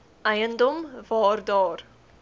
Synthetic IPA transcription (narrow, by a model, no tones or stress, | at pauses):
ajənd̪ʊmvɔːɾd̪ɔːɾ